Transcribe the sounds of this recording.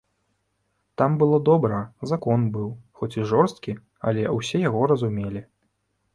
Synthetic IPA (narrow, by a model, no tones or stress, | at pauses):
t̪ambɨlˠɔd̪ɔbɾɐzakɔnbɨwxɔt͡sʲiʐɔrst̪kʲi | ɐ̰lʲɛwsʲɛjaɣɔɾɐzumʲelʲi